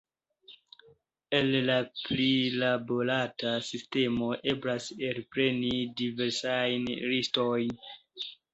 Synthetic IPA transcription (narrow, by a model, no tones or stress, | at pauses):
e̞llaplilabo̞ɾatasiste̞mo̞ʔe̞blaselpɾe̞nidive̞ɾsajnɾisto̞jn